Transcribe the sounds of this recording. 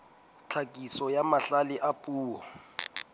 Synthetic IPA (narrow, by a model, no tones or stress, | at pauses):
t͡ɬʰakʼisɔjamaɬalɪʔapʼuːɔ